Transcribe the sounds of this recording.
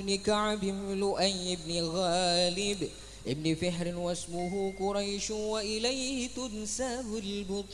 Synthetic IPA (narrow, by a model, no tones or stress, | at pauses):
nɪkaʕbɪmlʊʔajɪbnɪɣaːlɪb | ʔɪbnɪfɪħɾɪnwasmʊɦukʊɾˤɑjʃwaʔɪlajhɪt̪ʊnsabɪlbʊt̪ˤ